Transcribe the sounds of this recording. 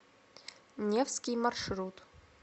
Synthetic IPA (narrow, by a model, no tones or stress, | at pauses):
nʲefskʲijmɐrʂɾut̪